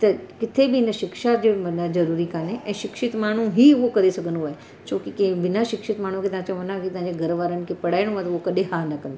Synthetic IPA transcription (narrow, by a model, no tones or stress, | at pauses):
t̪ɐkɪt̪ʰebʱiɪnəʃɪkʃad͡ʑeʋɐnad͡ʒɐɾuːɾikaːneʔɛ̃ːʃɪkʃɪt̪maːɽ̃ũɦiʋokɐɾesɐɡənuʋae | t͡ʃõːkikẽʋɪnaʃɪkʃɪt̪maːɳ̤̃ũkʰet̪ɐɦãt͡ɕoʋɐnãkit̪ɐãd͡ʑeɡʱɐɾʋaːɾəñkʰepɐɽaːɪɽ̃ũãt̪ɐʋokɐɗẽɦaːnɐkɐ̃nd̪o